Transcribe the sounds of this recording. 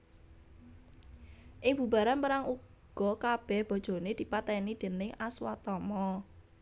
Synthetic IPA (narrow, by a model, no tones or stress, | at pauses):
ʔɪŋb̥ṳba̤ɾanpəɾaŋuɡɡ̥ɔ̤kab̥ɛhb̥ɔ̤d̥ʒ̥o̤ned̪̥i̤pat̪ɛnid̪̥e̤nɪŋʔaswa̰t̪ɔmɔ